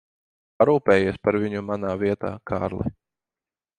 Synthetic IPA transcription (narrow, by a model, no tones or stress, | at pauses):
paɾuːpʲɛːjiɛspaɾvʲiɲumanaːvʲiɛt̪a̰ːkʰaːɾlˠɛ̰